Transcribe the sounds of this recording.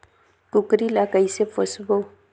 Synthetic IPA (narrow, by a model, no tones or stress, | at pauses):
kʊkɾilakaisefosbo